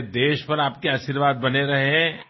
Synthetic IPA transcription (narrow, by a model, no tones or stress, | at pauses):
d̪eːʃpɐɾaːp̚keaːʃiɾʋaːd̪̚bɐneɾɐɦeɦɛ̃